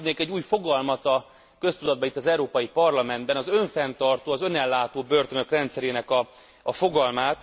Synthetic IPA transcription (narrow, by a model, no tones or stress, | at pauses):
d̪neːŋkɛɟːuːjfo̞ɡɒlmɒt̪ɒ | kø̞st̪ud̪ɒd̪̚bɒit̪ːɒzɛuɾoːpɒjipɒrlɒmɛnd̪bɛnɒzø̞ɱfɛnt̪ɒrt̪oːɒzø̞nɛlːaːt̪oːbørt̪ønøkrɛnt̪sɛɾeːnɛkɒ | ɒfo̞ɡɒlmaːt̪